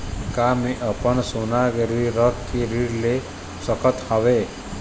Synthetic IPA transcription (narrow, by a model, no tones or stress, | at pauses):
kamiʔəpənsunaɡɾiɾəkkiɾiɾle | səkət̪haʋe